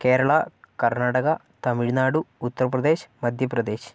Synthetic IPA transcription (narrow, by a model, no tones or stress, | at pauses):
keːɾɐɭaːkɐɾnaːʈɐkɐ | t̪ɐmiɽinaːɽuːt̪ːɐɾɐpɾɐd̪eːʃmɐd̪ʱjɐpɾɐd̪eːʃ